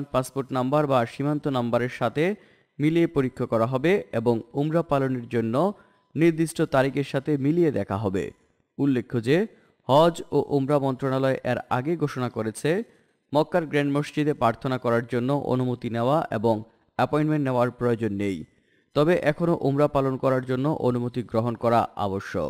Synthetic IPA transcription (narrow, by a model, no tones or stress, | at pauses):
npaspoɾʈnambaɾbaʃimant̪onambaɾeɾʃat̪ʰe | miliepoɾikʰːakɔɾaɦɔbeeboŋumɾapaloneɾd͡ʑonːo | niɾd̪iʃʈʰot̪aɾikeɾʃat̪ʰemilied̪ɛkʰaɦɔbḛ | ulːekʰːod͡ʑe | hɔd͡ʑoʔumɾamɔnt̪ɾonalɔeʔeɾaɡeɡʱoʃonakoɾet͡ɕʰe | mɔkːaɾɡɾeɳɖmoʃt͡ɕid̪epɾaɾt̪ʰonakɔɾaɾd͡ʑonːoʔo̰numot̪ineoaʔḛboŋ | ɛpɔiɳʈmeɳʈneoaɾpɾojod͡ʑonːej | t̪ɔbeʔɛkʰonoʔumɾapalonkɔɾaɾd͡ʑonːoʔonumot̪iɡɾoɦonkɔɾaʔa̰boʃːo̰